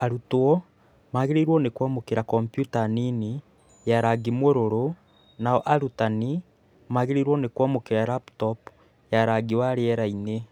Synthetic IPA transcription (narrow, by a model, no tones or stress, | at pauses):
aɾutwɔ | maɣeɾeɾwɔnekwamokeɾakɔmpjutanini | jaɾaɡimwoɾoɾo | naɔʔaɾutani | maɣeɾeɾwɔnekwamokeɾaɾaptɔp | jaɾaɡiwaɾeɛɾaine